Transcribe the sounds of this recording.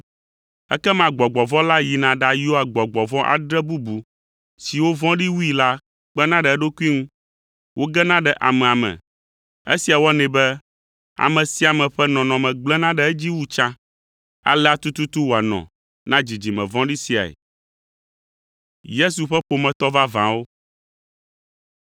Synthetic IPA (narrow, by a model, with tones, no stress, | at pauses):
ɛ̰˦kɛ˦mã˨ɡ͡bɔ˨ɡ͡bɔ˨vɔ̃˦la˦ji˨nã˨ɖa˦jo˦a˨ɡ͡bɔ˨ɡ͡bɔ˨vɔ̃˦ʔa̰˨ɖɾɛ˦bu˦bu˨ | si˨wo˦vɔ̃˦ɖi˦wu˦i˨la˦ | k͡pɛ˦nã˦ɖɛ˨ɛ˦ɖo˦ku˦i˦ŋũ˦ | wʔo˦ɡɛ˦nã˦ɖɛ˨ʔa˨mɛ̃˨a˨mɛ̰̃˨ | ḛ˦si˨a˨wɔ˦nɛ̃˨bɛ˦ | a̰˨mɛ̃˨si˦a˨mɛ̃˨ɸɛ˦nɔ̃˨nɔ̃˨mɛ̃˨ɡ͡blɛ˦nã˦ɖɛ˨ɛ˦d͡ʑi˦wu˦t͡ʃã˦ | a̰˦lɛ˦a˦t̪u˦t̪u˦t̪u˦wo˨a˨nɔ̰̃˨ | nã˦d͡ʑi˨d͡ʑi˨mɛ̰̃˨vɔ̃˦ɖi˦si˨a̰˨ḛ˨ | je˦s̬u˨ɸɛ˦ɸo˨mɛ̃˨t̪ɔ˦va˦vã˨wo˦